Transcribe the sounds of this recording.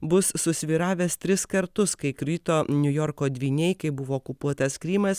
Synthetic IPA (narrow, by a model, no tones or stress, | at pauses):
bʊsːʊsʲʋʲiːɾɑːʋʲɛːst̪ʲɾʲɪskɐɾt̪ʊskɐɪkɾʲʊɪt̪oːnʲʊjɔɾkoːd̪ʲʋʲiːnʲɛɪkɐɪbʊʋoːkʊpuɔt̪ɐskɾʲiːmɐs